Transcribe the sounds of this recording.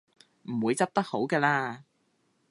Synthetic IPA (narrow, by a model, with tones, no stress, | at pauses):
m̩˨˩wuː˨˧jt͡sɐ˥p̚t̪ɐ˥k̚ho˨˥wkɛː˧laː˧